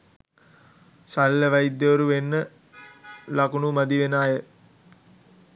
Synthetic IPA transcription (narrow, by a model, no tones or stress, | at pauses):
salːəʋaid̪ːəʋəɾuʋenːə | lakunumad̪iʋenaːjə